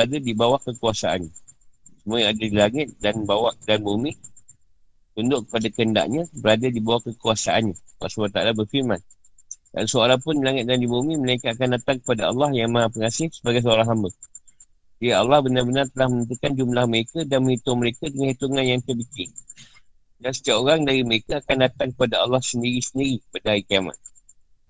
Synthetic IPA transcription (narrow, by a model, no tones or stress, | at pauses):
bəadadibawakəkuasaa̰nɲasəmuãadadilaŋɪt̪̚danbawaʔdanbumi | t̪und̪ʊʔkə̥padakəənda̰ʔɲəbəɾadadibawakːəkuasaʔanɲaka̰ʔsbat̪aalabərfirmãn | da̰nsoaɾaŋpʊnilaŋɪt̪̚dandibumĩməlaikat̪̚akandat̪aŋkə̥padaɑ̰lːɑhjaŋmaapəŋasɪhsəbaɡajs̬əaɾaŋɦambə | d͡ʒajaɑ̰lːɑhbənarbənart̪əlahmənənt̪̬ukand͡ʒumlahməɾekadanmə̃hit̪ʊŋməɾekadəŋanhit̪uŋãnjaŋt̪ərbikɪn | dansə̥t̪iaʔoɾaŋdaɾiməɾekaakandat̪aŋkəpadaɑlːɑhsəndiɾisəndiɾikə̥padaɦaɾikiama̰t̪̚